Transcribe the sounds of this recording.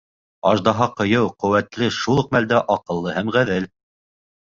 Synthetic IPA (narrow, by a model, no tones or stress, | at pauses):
ɑʒd̪ɑɦɑqɤ̆jɤwqɵ̆wæt̪lɘʃulˠɤ̆q̚mæld̪æʔɑqɤ̆lˠːɤhæmʁæðɘl